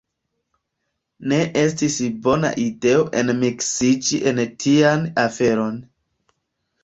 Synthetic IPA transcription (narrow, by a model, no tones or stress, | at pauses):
ne̞ʔestisbo̞na̰ʔide̞oʔe̞nmiksid͡ʒiʔentʰianafe̞ɾo̞n